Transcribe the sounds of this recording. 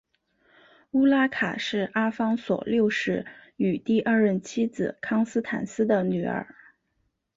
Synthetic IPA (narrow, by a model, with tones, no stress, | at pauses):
u˥la˥kʰa̰˨˩ʂɻ̩˥˩a˥fɑ˥ŋswɔ̰˨˩ljo˥˧ʊʂɻ̩˥˩y˨˩t̪i˥˧ʔɐ˞˥˧ɻə˥˩nt͡ɕʰi˥d͡zɹ̩˨˩kʰɑ˥ŋsɹ̩˥t̪ʰa̰˨˥nsɹ̩˥d̪ə˨ny˨˩˥ə̰˞˨˧˩